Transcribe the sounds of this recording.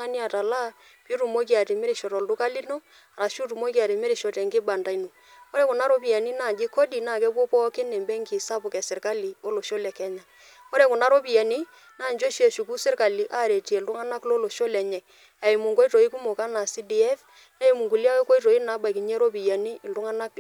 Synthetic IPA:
a˦ni˦a˨ta˨la˦ | pi˦tu˨mo˦k̬i˦a˨tɛ˨mɪ˦ɾi˨ʃɔ˨tɔ˨ldu˦ka˦li˦no˦ | a˨ɾa˨ʃu˦tu˨mo˦ki˦a˨tɛ˨mɪ˦ɾi˨ʃɔ˨tɛ˨ŋɡɪ˦ba˨nda˨i˦no˨ | ɔ˦ɾɛ˦ku˨na˦ɾo˦pi˨ja˨ni˦naː˦˨d͡ʒɪ˦kɔ˦di˨naː˦˨kɛ˦pwɔ˦pɔ˦kɪ˦nɛ˨mbɛ˦ŋki˨sa˦pʊ˨kɛ˨sɪ˨ɾka˦li˨o˦lo˨ʃo˦lɛ˨kɛ˦ɲa˨ | ɔ˦ɾɛ˨kʊ˨na˦ɾo˦pi˨ja˨ni˦ | naː˦˨nd͡ʒo˦ʃi˦e˨ʃu˨ku˦sɪ˦rka˨li˨ʔa˦˨ɾe˨ti˨ɛ˨ldu˦ŋa˦na˦klo˦lo˨ʃo˦lɛ˨ɲɛ˨k̚ | a˨i˨mu˨ŋko˦i˦to˨i˦ku˦mo˨ka˦na˨si˦di˨ɛ˦f | na˦i˨mu˨ŋku˨li˦a˦wɛ˦ko˦i˦to˨i˦na˨˦ba˨ki˨ɲɛ˦ɾo˦p̬i˨ja˨ni˦ɪ˨ldu˦ŋa˦na˦k

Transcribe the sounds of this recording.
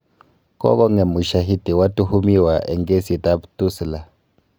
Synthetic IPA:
kɔ̰˦kɔ˦ŋɛ˨mu˨ʃa˨ɦi˦di˨wa˦tu˦hu˦mi˦wa˨ʔɛ˨ŋɡe˦si˨ta˦btu˦sla˨

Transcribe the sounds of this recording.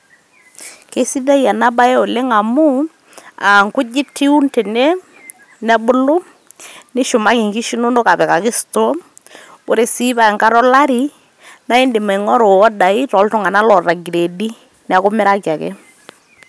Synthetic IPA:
ke˦si˦da˦ja˨na˦ba˦ɛ˦o˨lɪ˦ŋa˨mʊ˦ | a˨ŋkʊ˦d͡ʒɪ˦tʰi˦u˦nte˨ne˦ | nɛ˦bʊ˦lʊ˦ | nɪ˦ʃʊ˨ma˦kɪ˨ŋki˦ʃi˦no˦no˦ka˨pɛ˨ka˨kɪ˦sto˦ | bo˦ɾe˨si˦ba˨ɛ˨ŋka˦ɾɔ˦la˦ɾi˦ | na˦ɪ˦ndɪ˨me˨ŋɔ˦ɾo˨ɔ˦da˨ɪ˦tɔ˨˦ltʊ˨ŋa˨na˦lɔ˨ra˨ɡi˨ɾe˨di˦ | na˨kʊ˦mɪ˦ɾa˦kja˨kɛ̰˦

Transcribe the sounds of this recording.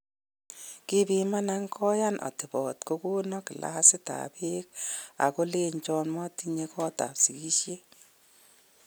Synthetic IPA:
ki˦bi˦ma˦na˦ŋkʰɔ˦ja˦nʔɔ̰˨tɪ˨bɔ˨tko˦ku˦nɔ˦kɪ˨la̰˦ha˦sɪ˦ta̰˨pe˦k̚a̰˨ko˦le˦ɲt͡ʃɔ˦nmɔ˦ti˦ɲe˦kɔ˦ta̰˨psi˨ki˦ʃje˦

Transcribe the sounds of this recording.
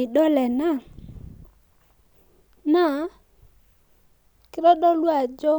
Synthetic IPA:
ɪ˨ɗɔ˦lɛ˨na˦˨ | na˦˨ | kɪ˦ɾɔ˦ɗɔ˦lwa˨d͡ʒɔ˦

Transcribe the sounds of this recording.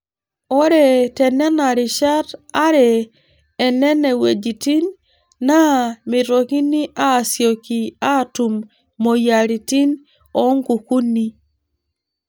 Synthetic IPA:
ɔ˦ɾɛ˨tɛ˨nɛ˦na˨ɾɪ˨ʃa˦ta˦ɾɛː˨ | nɛ˦nɛ˨we˨d͡ʒi˨ti˦nː | a˦mɪ˨to˨ki˦ni˦ʔa˦˨sjo˨ki˨a˦tu˨mː | o˨ja˨ɾi˨ti˦n | ɔ˨˦ŋɡu˨ku˦ni˦

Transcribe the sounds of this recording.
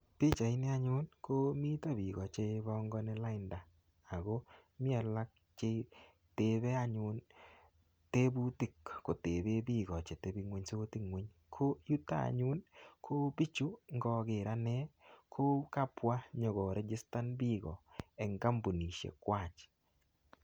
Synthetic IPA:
pɪ˦t͡ʃa˨i˦ni˦a˦ɲʊ˦nko˦mi˦ta˦bi˨ɣɔ˨t͡ʃe˦bɔ˦ŋɡɔ˦nɛ˦la˦ɪ˨nda˨ | a˨ɣo˦mɪ˦a˨la˦k̚ | t͡ʃe˦ | te˨βɛ˦a˦ɲʊ˦n | te˦bu˦tɪ˦˨kːo˨te˨be˦bi˦ɡɔ˨t͡ʃe˨te˦bi˧ŋwe˦ɲso˦ti˦ŋwe˦ɲ | kʰo˦ju˦ta̰˦˨ɲʊ˦nkʰo˦bi˦t͡ʃu˦ŋɡɔ˧ɡɪ˨ɾa˦nɛ˦kʰo˦ka˦pwa˦ɲɔ˨ɣɔ˨ɾe˦d͡ʒɪ˦sta˦nbi˦ɣɔ˨ɛ˨ŋɡa˦mbu˨ni˨ʃjḛ˨kwa˨t͡ʃ

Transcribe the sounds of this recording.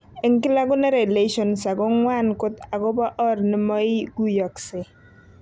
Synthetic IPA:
e˨ŋkɪ˦la˦ɡʊ˦nɛ˦ɾe˨le˦ʃɔ˨nsa˨ɡɔ˦ŋwa˦nkʊ˦t̪a˨ɡɔ˦ba˦ʔɔ˦ɾnɪ˨mɔ˦ɪ˦ɡu˦jɔ˨ksɪ˨

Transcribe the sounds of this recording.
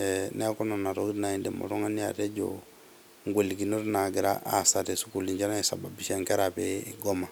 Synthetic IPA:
ɛne˦kɔ˦na˨na˨to˦ɡi˦tna˨i˦ndɛ̰˨mɔ̰˨ɾo˦ŋa˦ni˦ja̰˨te˦d͡ʒo̰˨ | ŋɡʷe˨li˨ɡi˨no˦ɾna˨ɡi˨ɾa̰˦ʔa̰˨sa˨te˨su˦ku˨li˨ɲd͡ʒa˦na˦sa˨ba˨bi˨ʃa˦ŋkɛ˦ɾa˨beɡɔ˦ma˨

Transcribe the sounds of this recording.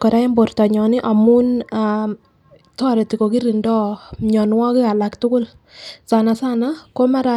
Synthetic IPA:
kɔ˨ɾa˦ɛ˦mbo˨ɾtɔ˨ɲɔ˨nɪ˦ʔa˨mu˦na˨ | tɔ˦˨ɾɛ˨ti˨ko˨ki˦ɾi˨ndɔ˦ɲɔ˨nwa˦kɪ˦ka˨la˨ktʊ˦kʊ˦l | sa˨na˨sa˦na˦ko˦ma˦ɾa˨

